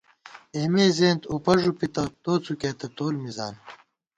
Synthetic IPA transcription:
eːmeːzeːnt̪upɐʐupit̪ɐt̪oːt͡sʰukeːt̪ɐt̪oːlmiza̰ːn

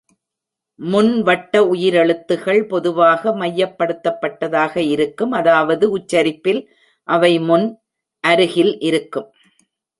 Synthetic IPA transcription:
mʊnʋɐʈːɐʊjɪɾɛɭɯt̪ːɯɣɐɭpɔðɯʋaːɣɐmɐjːɐpːɐɽɯt̪ːɐpːɐʈːɐðaːɣɐɪɾɯkːɯmɐðaːʋɐðɯʊt͡ʃːɐɾɪpːɪl | ʔɐʋɐɪmʊn | ʔɐɾɯɣɪlʔɪɾɯkːɯm

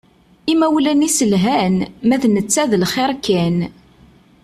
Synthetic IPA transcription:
imæwlænisəlɦænmæðnət͡sːæðəlχeɾˤkæn

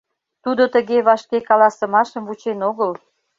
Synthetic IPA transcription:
t̪ud̪ot̪əɣeβɑʃkekɑlɑsə̆mɑʃəmvut͡ɕenoɣəl

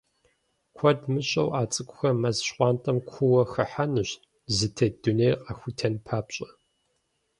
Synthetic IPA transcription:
kʷʰɔdmɨɕʼɐ̰wʔaːt͡sʼɨkʷʼʊxɐmɐzɕqʷɑːntʼɐmkʷʰʊwɐxɐħanɨɕ | zɨtʰɐd̥unejqʼɐxʷʊtʰɐnpʰaːpɕʼɐ

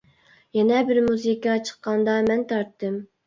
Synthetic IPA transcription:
jɛnɛbɪɾmuzɨkɑt͡ʃʰə̥qːɑnd̪ɑmɛnt̪ʰɑɾt̪ʰːɨm

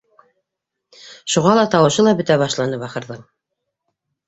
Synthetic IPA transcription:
ʃuʁɑlˠɑt̪ɑwɤ̆ʃɤlˠɑbɵ̆t̪æβɑʃlˠɑnɤβɑqɤ̆ɾðɤɴ

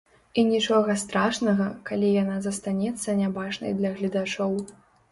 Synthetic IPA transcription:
inʲit͡ʂɔɣɐst̪ɾaʂnɐɣɐkalʲijanazɐst̪anʲɛt̪sːɐnʲabaʐnɐ̰jd̪lʲɐɣlʲid̪at͡ʂɔw

